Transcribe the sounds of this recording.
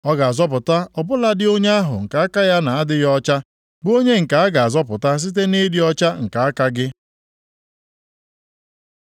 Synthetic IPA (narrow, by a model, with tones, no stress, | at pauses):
ɔ˦ɡa˨a˨zɔ˦p̬ʊ˨ta˦ɔ˨bʊ˦la˦dɪ˦o˦ɲ˦a˦ɦʊ̰˨ŋ̩˨ka˨˦a˦ka˦ja˦na˨a˦dɪ˦jɔ˦t͡ʃa˦ | bo˦ɲe˦ŋ̩˨ka˨a˦ɡa˨a˨zɔ˦pʊ˨ta˦s̬i˦t̬e˦ne˦di˦ɔ˦t͡ʃa˦ŋ̩˨ka˨a˦ka˦ɡɪ˦